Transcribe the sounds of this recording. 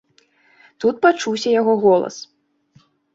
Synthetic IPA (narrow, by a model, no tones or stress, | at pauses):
t̪ut̪̚pat͡ʂuwsʲɐjaɣɔɣɔlˠɐ̰s